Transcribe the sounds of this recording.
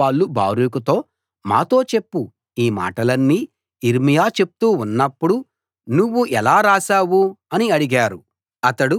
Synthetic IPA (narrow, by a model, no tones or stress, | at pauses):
aːɭːuba̰ːɾukut̪o̞ː | ma̰ːt̪o̞ːt͡ʃe̞pːu | iːma̰ːʈɐlɐnːiː | iɾmijaːt͡ʃe̞pu̥t̪uːunːɐpːuɽu | nuʋːuʔɛlaːɾaːʃaːwuɐniɐɽiɡaːɾu | ɐt̪ɐɽu